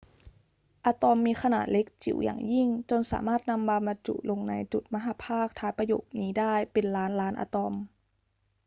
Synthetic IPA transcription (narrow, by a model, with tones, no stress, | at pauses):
ʔaː˧t̪ɔ˧mːiː˧kʰa˧na̰ː˨˩t̪̚le˦˥k̚t͡ɕḭ˨˩˦wja̰ː˨˩ŋji˥˩ŋt͡ɕo˧nsa̰ː˩˦maː˥˩t̪̚na˧mbaː˧mla˧t͡ɕṵ˧˩˨lo˧ŋna˧jt͡ɕu˨˩t̪̚ma˧ɦaː˨˧˦pʰaː˥˩k̚t̪ʰaː˧˥jpa˧jo̰ː˨˩k̚niː˧˦˥daː˥˩jpe˨nlaː˦˥nlaː˦˥nʔa̰ː˧t̪ɔ˧m